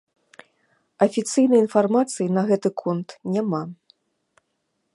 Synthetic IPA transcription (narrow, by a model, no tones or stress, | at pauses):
ɐfʲit̪sɨjnɐjinfarmat̪sɨjinɐɣɛt̪ɨkʰɔnt̪nʲama